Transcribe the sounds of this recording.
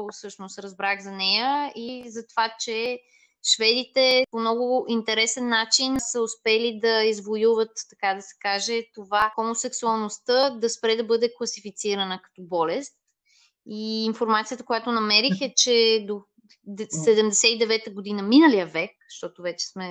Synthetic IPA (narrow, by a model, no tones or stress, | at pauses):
sɤʃnost̪ɾɐzbɾaɣzɐnɛjəizɐt̪ovat͡ʃɛ | ʃvɛd̪it̪ɛpomnɔɡʊint̪ɛɾɛsɛnːat͡ʃinsəʊspɛlid̪ɐizvojuvət̪ːɐkad̪ɐsɛ̥kaʒɛt̪ovaxomosɛksuɐlˠnost̪əd̪ɐspɾɛd̪ɐbɤd̪ɛklˠɐsifit̪siɾənəkɐ̥t̪ɔbɔlɛst̪ | iːnfoɾmat̪sijət̪əkojat̪onɐmɛɾixɛt͡ʃɛd̪o | sɛd̪ɛmd̪ɛsɛid̪ɛvɛt̪əɡod̪inəminəlijəvɛk | ʃt̪ɔt̪ovɛt͡ʃɛ̥smɛ